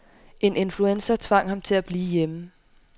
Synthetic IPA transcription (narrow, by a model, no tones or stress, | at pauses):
ʔe̝ne̝nfluensɐt͡sʰʋɑ̈ŋ̰hɑ̈mt͡sʰe̝læb̥liːjemə